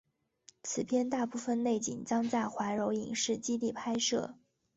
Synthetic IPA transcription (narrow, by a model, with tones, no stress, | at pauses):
t͡sʰɹ̩˨˩pʰjɛ˥˧nt̪a˥˧pu˥˩fə˧nne˥˩ɪt͡ɕḭ˨˩ŋt͡ɕjɑ˥ŋt͡sa˥˩ɪxwa˧˥ɻo˧˥ʊḭ˨˩ŋʂɻ̩˥˩t͡ɕi˥li˥˩pʰa˥ɪʂɤ̰˥˩